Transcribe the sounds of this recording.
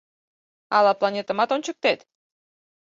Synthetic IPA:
ɑlɑplˠɑnʲet̪ə̆mɑt̪ont͡ɕək̚t̪et̪

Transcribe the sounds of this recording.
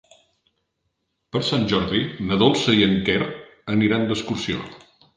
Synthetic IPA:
pəɾsanʲʒɔɾðinəðolˠsəiəŋkɛɾəniɾand̪əskuɾsio̰

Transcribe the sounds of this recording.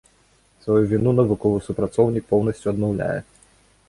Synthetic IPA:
svɐjuvʲinunɐvɨkɔvɨsupɾɐt̪sɔwnʲik̚pɔwnɐsʲt͡sʲuɐd̪mɔwlʲa̰jɛ̰

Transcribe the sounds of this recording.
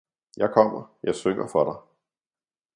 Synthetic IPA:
jɑ̈ɪkʰɒm̰ɐjɑ̈ɪsøŋ̰ɐfɒ̽ɾ̥ɑ̈ɪ

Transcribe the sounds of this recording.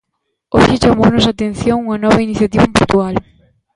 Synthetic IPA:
oʃɪt͡ʃamonʊsat̪en̟θjoŋuŋɐnɔβɐiniθjat̪iβɐmpuɾt̪ual

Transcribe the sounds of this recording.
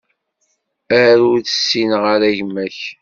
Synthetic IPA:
æɾuɾθə̥sːinʁəɾæʝmæç

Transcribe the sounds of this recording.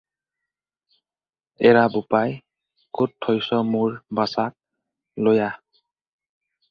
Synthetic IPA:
ɛɹabʊpaj | kʊtʰːɔjsɔmuɹbasak̚ | loja

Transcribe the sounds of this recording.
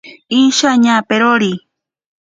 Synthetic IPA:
iʃaɲapeɾoɾi

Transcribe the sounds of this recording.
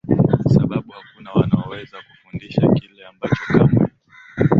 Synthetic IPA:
saɓaɓuhakunawanaɔwɛzakufundiʃakilɛambat͡ʃɔkama̰

